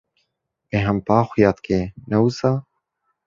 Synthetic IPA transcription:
eɦɐmpaːxʷujaːt̪kʰenɐwusa

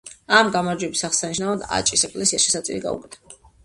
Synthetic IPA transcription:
amɡamaɾd͡ʒwɛbisaχsaniʃ̬navad̪a̰t͡ʃʼisɛkʼlɛsiasʃɛsat̪sʼḭɾiɡa̰ṵkʼɛt̪ʰa

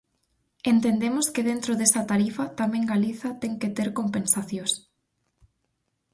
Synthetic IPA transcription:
ent̪end̪emoskɪðent̪ɾoðesɐt̪aɾifɐt̪amẽŋɡaliθɐt̪eŋket̪eɾkompẽnsaθjos

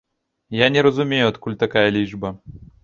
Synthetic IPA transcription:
janʲɛɾɐzumʲejʊɐt̪kulʲt̪akajɐlʲiʐbɐ

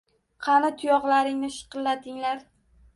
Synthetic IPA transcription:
qʰɑnat̪ʰʊjɒʁlaɾɪŋnɪʃɨ̥qɨlːad̪ɪŋlaɾ

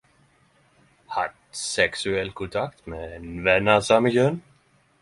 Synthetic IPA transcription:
hat̪ | sɛksʉɛlkʰʊnt̪ʰakt̪mɛnvɛnːasaməçœn

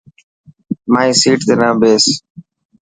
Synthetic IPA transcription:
maːisiːʈt̪eːnãːbeːs

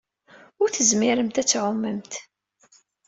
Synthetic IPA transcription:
ʊɾθəzmiɾəmt̪æt͡sːʕʊmːəmt̪

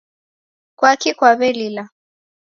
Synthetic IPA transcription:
kwakikwaβɛlila

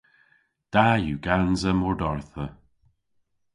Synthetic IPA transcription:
d̪̥ajuɡanzəmɔɹdɔɹθə

